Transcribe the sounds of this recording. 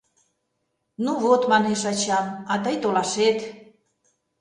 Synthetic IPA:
nuβot̪mɑneʃɑt͡ɕɑmɑt̪əjt̪olɑʃet̪

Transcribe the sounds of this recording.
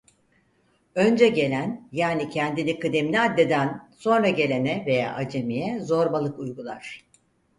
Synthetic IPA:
ø̞nd͡ʒɛɟe̞lʲænjaːnicʰɛnd̪inikʰɯd̪emlʲiad̪ːed̪ænso̞nɾaɟe̞lʲe̞nɛve̞ja̰ːʔad͡ʒemijɛzo̞ɾbalˠɯkujɡulˠaɾ̥

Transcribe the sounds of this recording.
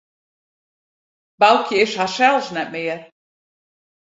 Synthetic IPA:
balˠkʰjəɪʃhaʃɛlˠsnɛt̚mɪːər

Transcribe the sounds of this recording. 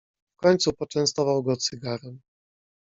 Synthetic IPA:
fkɔɲt̪supɔt͡ʂɛñst̪ɔvawɡɔt̪sɨɡaɾɛm

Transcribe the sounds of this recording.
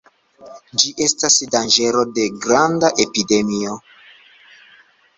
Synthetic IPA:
d͡ʒiʔe̞stasdand͡ʒe̞ɾo̞de̞ɡɾandaʔe̞pide̞mio̞

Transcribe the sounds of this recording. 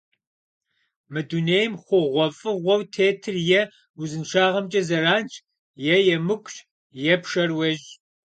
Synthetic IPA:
mɨduneːjmχʷʊʁʷɔfʼɨʁʷɔwtʰeːtʰɨrjɛ | uzɨnʂaːʁɐmt͡ʃʼɐzɐraːnt͡ʃʰʼ | jɛjɛmɨkʷʼɕʼ | jɛpʰʂɐrwɐʒ

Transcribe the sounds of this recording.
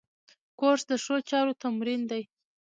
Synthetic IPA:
koɾsd̪əʂot͡ʃɑɾot̪amɾind̪aj

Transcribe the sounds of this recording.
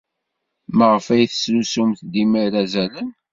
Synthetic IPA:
məʁəfæjθə̥slusumθd̪imiɾæzælən

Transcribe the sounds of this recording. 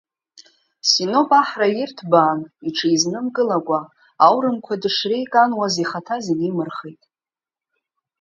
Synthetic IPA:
sino̞pʼaħrajɪrtʰbaːniʈ͡ʂʰaiznɨmkʼɨlakʷʼa | awɾɨmkʷʰadɨʂrejkʼanwaziχatʰazeɡimɨrχejtʼ

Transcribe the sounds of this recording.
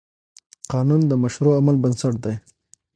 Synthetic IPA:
qɑnund̪əmaʃɾoamalbənsaʈ̚d̪aj

